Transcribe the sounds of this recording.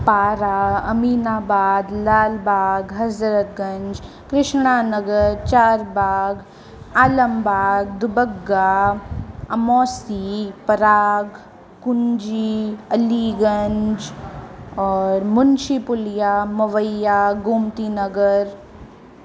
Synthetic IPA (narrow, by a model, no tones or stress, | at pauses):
paːɾaːɐmiːnaːbaːd̪laːlbaːɡɦɐzɾət̪̚ɡɐ̃ɲd͡ʒ | kɾɪʃɳaːnɐɡəɾt͡ʃaːɾbaːɡ | aːlɐmbaːɡd̪ubəɡːa | ɐmɔːsipɐɾaːɡ | kʊnd͡ʒiɐliɡɐɲd͡ʒ | ɔːɾmʊnt͡ʃipʊljaːmɐʋəjaːɡumt̪iːnəɡəɾ